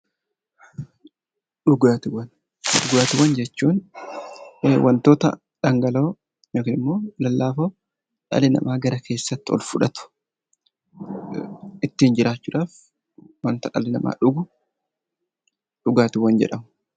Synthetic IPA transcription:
ᶑʊɡaːt̪ɪwɐn | ɗʊɡaːt̪ɪwɐnd͡ʒɛt͡ʃːuːn | wʔɐnt̪o̞ːt̪ɐ̰ | ᶑɐŋɡɐlo̞ː | noːkɪnɪmːo̞ːlɐlːaːfoː | ᶑɐ̰lɪnɐ̰mʔaːɡɐɾɐkʰe̞ːsːɐt̪ːɪɔ̰lfʊᶑɐt̪ʊ̥ | ɪt̪ːiːnd͡ʒɪɾaːt͡ʃːʊːᶑaːf | wɐnt̪ɐᶑɐ̰lɪnɐmʔa̰ːᶑʊɡʊ | ᶑʊɡaːt̪ɪwɐnd͡ʒɛ̰ᶑɐmʊ

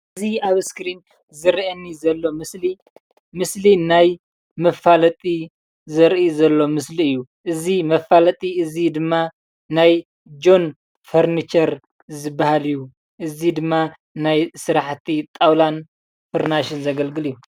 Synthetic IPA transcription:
ɨziaβskɾin | zɨɾʔɐnːizɐlːo̞mɨsli | mɨslinaj | mɐfalɐt̪ʼi | zɐɾʔizɐlːo̞mɨsliɨjːuʔɨzimɐfalɐt̪ʼiɨzid̪ɨmːa | naj | d͡ʒo̞n | fɐɾnit͡ʃɐɾ | zɨbːahalijːu | ʔɨzid̪ɨmːa | najsɨɾaħt̪ʰit̪ʼawlan | fɨɾnaʃɪnzɐɡɐlɡɨlijːu

